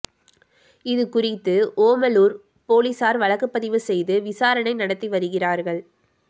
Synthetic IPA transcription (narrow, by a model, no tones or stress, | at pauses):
ɪðɯkʊrɪt̪ːɯʔoːmɐluːɾ | poːlisaːɾʋɐɭɐkːɯpːɐðɪʋɯsɛjðɯʋɪsaːɾɐɳɐɪnɐɽɐt̪ːiʋɐɾɯɣɪraːɾɣɐɭ